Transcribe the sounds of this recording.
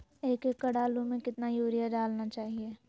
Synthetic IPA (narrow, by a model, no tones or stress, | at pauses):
eːkekːɐɽaːlõmẽkɪt̪najoːɾijaɖaːlnat͡ʃaːɦieː